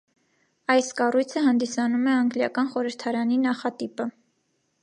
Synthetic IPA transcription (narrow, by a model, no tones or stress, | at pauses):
ɑjskɑrujt͡sʰəɦɑnd̪isɑnumɛɑŋɡljɑkɑnχɔɾəɾt̪ʰɑɾɑninɑχɑt̪ipə